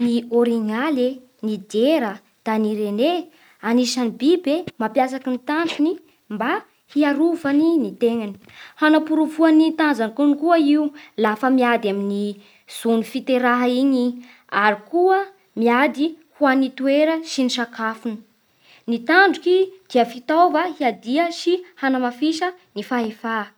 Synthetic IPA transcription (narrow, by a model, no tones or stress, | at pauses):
nioɾiŋale | nid̪eɾə | d̪̥aniɾene | anisanibibemapjasakənit̪aɳɖ͡ʐuni | mba | hiaɾuvaninit̪eŋani̥hanapuɾuvuanit̪anzanikunikuəiulafəmiad̪amini | z̥unifit̪eɾaɦaiɲi | aɾikuə | miad̪ihuanit̪ueɾəʃiniʃakafuni̥ | nit̪aɳɖ͡ʐukid̪̥iəfit̪avahiad̪iəʃihanamafiʃənifaɦefa